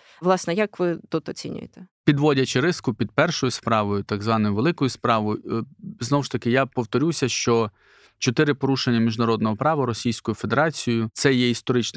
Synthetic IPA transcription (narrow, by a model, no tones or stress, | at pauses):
ʋlˠɑsnɛjɐkʋɪt̪ut̪ɔt͡sʲḭnʲʊ̰jḛt̪ɛ̥pʲid̪ʋɔdʲɐt͡ʃɪɾɪskʊpʲid̪̚pɛrʃɔjʊspɾɑʋɔjʊt̪ɐɡzʋɑnɔjʊʋelˠɪkɔjʊspɾɑʋɔjʊznɔwʃt̪ɐkɪjapɔwt̪ɔɾʲusʲɐʃt͡ʃɔ | t͡ʃɔt̪ɪɾɪpɔɾuʃenʲːɐmʲiʒnɐɾɔd̪nɔɦɔpɾɑʋɐɾɔsʲijsʲkɔjʊfe̞d̪eɾɑt͡sʲijʊt̪sɛjɛist̪ɔɾɪt͡ʃn